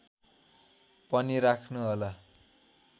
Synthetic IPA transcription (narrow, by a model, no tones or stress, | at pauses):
pʌnirakʰnuɦolʌ